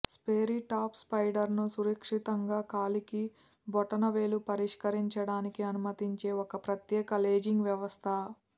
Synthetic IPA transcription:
speːɾiʈaːpspɐjɖɐɾnusuɾɐkʂit̪ɐŋɡaːkaːliki | bɔʈɐnɐʋeːlupɐɾiʂkɐɾiɲt͡ʃɐɽaːnikiɐnumɐt̪iɲt͡ʃe̞ːɔkɐpɾɐt̪jɛːkɐle̞ːd͡ʒiŋɡʋjɐʋɐst̪ʰɐ

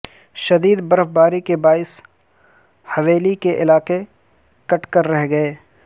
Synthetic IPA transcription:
ʃɐd̪iːd̪bɐɾfbaːɾikebaːɪs | hɐʋeːlikeʔɪlaːqe | kɐʈkəɾːɛɦɡɐeː

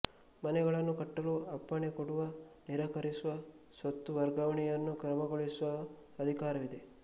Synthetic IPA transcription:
mɐnɛɡɐɭɐnːukɐʈːɐluɐpːɐɳekoɽuʋɐniɾɐːkɐɾisuʋɐ | sʋɐt̪ːuʋɐɾɡɐʋɐɳɛjɐnːukɾɐmɐɡoɭisuʋɐ | ɐd̪ʱikaːɾɐʋid̪e̞

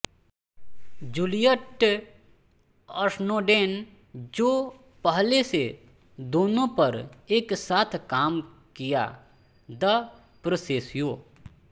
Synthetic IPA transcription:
d͡ʒulijəʈ | əɾsnoːɖeːn | d͡ʒoː | pəɦlese | d̪oːnõpɐɾeːksaːt̪ʰkaːm | kija̰ | d̪ɐ | pɾəseːsjoː

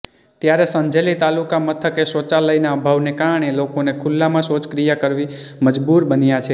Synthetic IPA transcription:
t̪jaɾesə̃ɲd͡ʒʱelit̪alukamət̪ʰəkesot͡ʃaləinaəbʱaʋnekaɾəɳ̃elokonekʰulːamãsot͡ʃkɾijakəɾʋi | məd͡ʒbuɾbənjat͡ʃʰe

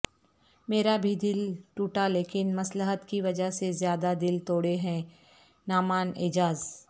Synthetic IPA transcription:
meːɾabʱid̪ɪlʈuːʈaleːkɪnmɐsləɦət̪kiʋɐd͡ʒəɦsezjaːd̪ad̪ɪlt̪oːɽeɦɛ̃ | naːmaːnɪ̰d͡ʒaːz

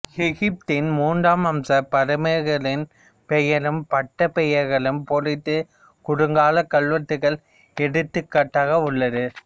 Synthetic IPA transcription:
ɛɣɪp̚t̪ɪnmuːndaːmɐmsɐpɐɾɯmɐɣɐɭɪn | pɛjɐlɯmpɐʈːɐpɛjɐɾɣɐɭɯmpolɪt̪ːɯ | kʊɽɯŋɡaːlɐkːɐɭʋɐt̪ːɯɣɐɭ | ɛɽɯt̪ːɯkːɐʈːaːɣɐʊɭːɐðɯ

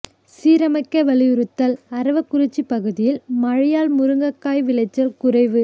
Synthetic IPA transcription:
siːɾɐmɐɪkːɐʋɐɭɪjɯɾɯt̪ːɐlɐɾɐʋɐkːʊɾɪt͡ʃːipɐɣɯðɪjɪlmɐɻɪjaːlmʊɾɯŋɡɐkːaːjʋɪlɐɪt͡ʃːɐɾkʊrɐɪʋɯ

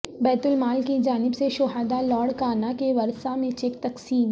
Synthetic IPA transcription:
bɛːt̪ʊlmaːlkid͡ʒaːnɪbseʃʊɦaːd̪alɔːɽkaːnakeʋɐɾsamẽt͡ʃekt̪ɐqsiːm

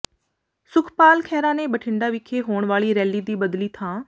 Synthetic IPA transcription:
sʊkʰpaːlkʰɛːɾãːneːbəʈʰɪɳɖaːʋɪkʰːeːɦoːɳʋaːliːɾɛːliːd̪iːbəd̪liːt̪ʰãː

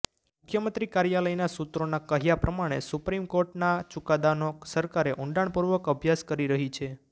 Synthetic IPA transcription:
mʊkʰjəmənt̪ɾikaɾjaləjnasut̪ɾonakəɦjapɾəmaɽ̃ḛsupɾimkoɾʈnat͡ʃukad̪anosəɾkaɾeʔuɳɖaɳpuɾʋəkəbʱjaskəɾiɾəɦit͡ʃʰe

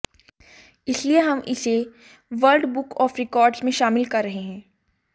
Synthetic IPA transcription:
ɪslieɦɐmʔɪse | ʋɐɾɖbʊkɔːfɾɪkɔːɾɖzmẽʃaːmɪlkɐɾːɐɦeɦɛ̃ː

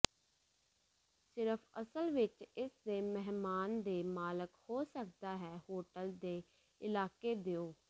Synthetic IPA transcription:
sɪɾəpʰəsəlʋɪt͡ʃɪsd̪eːmɛɦmaːnd̪eːmaːləkhoːsək̚d̪aːɦɛːhoːʈəld̪eː | ɪlaːkeːd̪eːoː

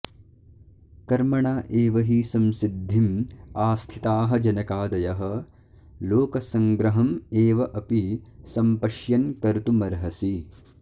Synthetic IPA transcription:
kɐɾmɐɳaːʔeːʋɐɦisɐmsid̪ʱːimaːst̪ʰit̪aːɦɐ̆d͡ʒɐnɐkaːd̪ɐjɐɦɐ̆ | loːkɐsɐŋɡɾɐɦɐmeːʋɐʔɐpisɐmpɐʃjɐnkɐɾt̪umɐɾɦɐsi

